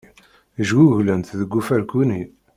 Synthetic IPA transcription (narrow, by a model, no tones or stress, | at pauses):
əʒɡuʝlənt̪ðəɡːufæɾkuni